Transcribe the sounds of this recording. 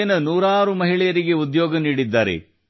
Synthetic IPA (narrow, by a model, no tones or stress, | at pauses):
ɐnɐnuːɾaːɾumɐɦiɭɛjɐɾiɡe̞ud̪joːɡɐniːɽid̪ːaːɾḛ